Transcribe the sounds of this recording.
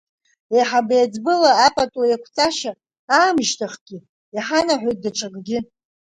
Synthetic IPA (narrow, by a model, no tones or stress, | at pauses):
eħabajad͡zbɨlaːpʼatʼwajakʷʰt͡sʼaʃa | aːmʒtʰaχɡ̥ʲɪ | iħanaħʷᶣojt̚daʈ͡ʂʰʷʼaɡʼɡʲɪ